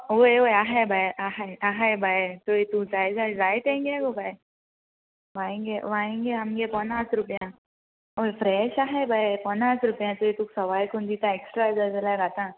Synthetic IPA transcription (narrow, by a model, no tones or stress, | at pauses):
oeɦojaɦajbʱajʔaɦajaɦajbʱajt̪oit̪ud͡zajd͡zad͡zajt̪ẽŋɡɡobʱaj | ʋãĩŋɡeʋãĩŋɡeamɡepɔnasɾupjã | ojfɾɛɕaɦajbʱajpɔnasɾupjãt̪oit̪uːksəʋajkund̪it̪ãeksʈɾazad͡zəlajɡat̪ã